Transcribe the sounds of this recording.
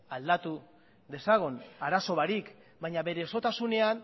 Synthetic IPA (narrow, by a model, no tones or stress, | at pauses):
ald̪at̪u | ðe̞saɣ̞onaɾaso̞βaɾik | baɲaβe̞ɾe̞ːso̞t̪asune̞an